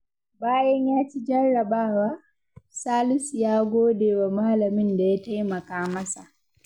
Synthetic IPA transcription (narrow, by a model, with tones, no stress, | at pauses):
baː˦jɐ˦ɲjaː˦t͡ʃi˦d͡ʒɐ˦rːɐ˨baː˦wa˦ | saː˦lɪ˦sjaː˦ɡoː˦deː˨wa˨ma˦lɐ˨mɪ˦nda˨ja˦ta˦jmɐ˨kaː˦mɐ˦sa˨ʔ